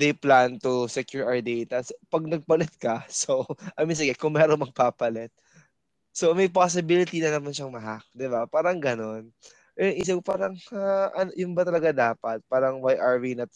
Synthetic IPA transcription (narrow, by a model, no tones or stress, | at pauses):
d̪ɛjplant̪ʊsɛkjuɹʔɐɹd̪ɛjt̪ɐsopɐɡ̚nɐɡ̚pɐlɛt̪̚kɐsoʔɐmins̬ɐɡɐkʊŋmɛːɾoŋmɐɡ̚paːpɐlɛt̪̚ | somɐjpos̬ɪbilɪt̪inɐnɐmanʃɐŋmɐɦak̚d̪ɪbapaːɾɐŋɡɐno̞n | ʔɛɐŋʔis̬ɐɡpaːɾɐŋaʔɐnjʊnbɐt̪ɐlɐɡad̪aːpɐt̪̚paːɾɐŋwajʔaɹvinɐt̪̚